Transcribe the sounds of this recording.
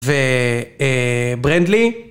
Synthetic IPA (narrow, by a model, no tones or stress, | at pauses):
veebʁɛnd̪li